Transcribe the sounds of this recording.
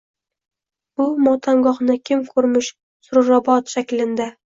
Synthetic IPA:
bʊmɒt̪ʰaŋɡɒχnɪkʲʰɪmkʰɵɾmɪʃ | sʊɾɾɒbɒt̪ʃakʲlɪnd̪ɪ

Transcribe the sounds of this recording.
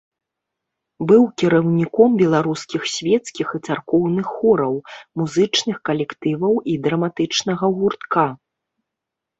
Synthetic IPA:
bɨwkʲiɾɐwnʲikɔmbʲɛlˠaɾuskʲixsʲvʲɛt̪skʲixɨt̪sarkɔwnɨxːɔɾɐwmuzɨt͡ʂnɨxkɐlʲɛkt̪ɨvɐwid̪ɾɐmat̪ɨt͡ʂnɐɣɐɣurt̪ka

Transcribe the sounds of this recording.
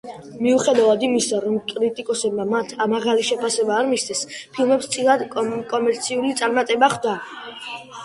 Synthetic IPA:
miuχɛd̪avad̪imisaɾɔmkʼɾit̪ʼikʼɔsɛbmamat̪ʰamaʁaliʃɛpʰasɛbaːɾmisd̪ʰɛspʰilˠmɛpst̪sʼilad̪kʼɔmɛɾt̪sʰiulit̪sʼaɾmat̪ʼɛbaχd̪a

